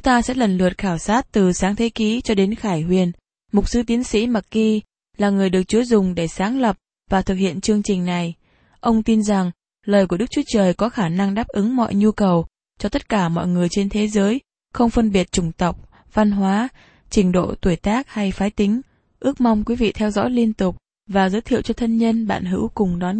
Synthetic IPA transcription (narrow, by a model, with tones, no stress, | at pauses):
t͡ɕʊ˨˦ŋ͡mt̪aː˧sɛ̰˧˥lə˨˩nlɨ̰˨˩ət̚xaː˧˩wsaː˦˥t̚t̪ɨ˨˩saː˨˦ŋt̪ʰe˨˦ki˨˦t͡ɕɔ˧ɗe˨˦nxaː˧˩jɦwi˨˩ən | mʊ˨˩k͡p̚sɨ˨˦t̪i˨˦ənsḭ˧˥ma˨˩k̚ki˧ | laː˨˩ŋɨ˨˩əjɗɨ˨˩ək̚t͡ɕu˨˦zʊ˨˩ŋ͡mɗe˧˩saː˨˦ŋlə˨˩p̚ | vaː˨˩t̪ʰɨ˨˩k̚hḭ˧˨ənt͡ɕɨ˧əŋt͡ɕï˨˩ŋ̟na˨˩j | ʔə˧wŋ͡mt̪i˧nza˨˩ŋ | ləː˨˩jku˧˩ə˦˥k̚t͡ɕu˨˦t͡ɕəː˨˩jkɔ˨˦xaː˧˩na˧ŋɗaː˦˥p̚ʔɨ˨˦ŋmɔ̰˧˨jɲu˧kə˨˩w | t͡ɕɔ˧t̪ə˦˥t̚kaː˧˩mɔ̰˧˨jŋɨ˨˩əjt͡ɕe˧nt̪ʰe˨˦zəː˨˦j | xə˧wŋ͡mfə˧nɓi˨˩ət̚t͡ɕʊ˧˩ŋ͡mt̪ə˨˩wk͡p̚ | va˧nɦwaː˨˦ | t͡ɕï˧˩ŋ̟ɗo̰˧˨t̪u˧˩əjt̪aː˦˥k̚ha˧jfaː˨˦jt̪ï˨˦ŋ̟ | ʔɨ˦˥ək̚ma˧wŋ͡mkwi˨˦vḭ˧˨t̪ʰɛ˧wzɔ̰˧˥jli˧ənt̪ʊ˨˩k͡p̚ | vaː˨˩zəː˨˦jt̪ʰḭ˧˨əwt͡ɕɔ˧t̪ʰə˧nɲə˧nɓa̰ː˧˨nɦɨ̰˧˥wkʊ˨˩ŋ͡mɗɔ˨˦n